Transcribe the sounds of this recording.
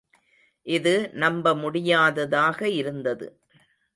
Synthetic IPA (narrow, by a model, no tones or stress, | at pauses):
ʔɪðɯnɐmbɐmʊɽɪjaːðɐðaːɣɐɪɾɯnd̪ɐðɯ̰